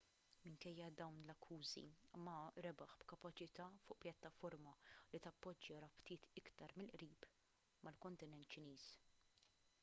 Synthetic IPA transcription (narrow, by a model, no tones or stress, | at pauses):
mɪŋkɛjːɐd̪ɐwnlɐkʰːuːzḭmɐɾɛbɐħbkɐpɐt͡ʃɪt̪ɐːfʊːʔpjɐt̪ːɐfɔɾmɐlit̪ɐpːɔd͡ʒːɐɾɐpt̪ɪːt̪ɪkt̪ɐɾmɪlʔɾiːp | mɐlkɔnt̪ɪnɛnt̪t͡ʃɪniːs